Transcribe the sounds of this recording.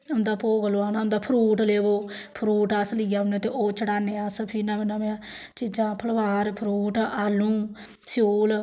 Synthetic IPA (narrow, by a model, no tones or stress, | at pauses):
ʊnd̪aːpoːɡəloːaːnãːʊ̃nd̪aːpʰɾuːʈleːʋoː | pʰɾuːʈaːslɪaːʊnẽːt̪eːʔoːt͡ʃəɽaːneːasəpʰinãːmɪnãːmẽãː | t͡ʃɪd͡ʒãːpʰəlʋaːɾpʰɾuːʈaːlũː | soːl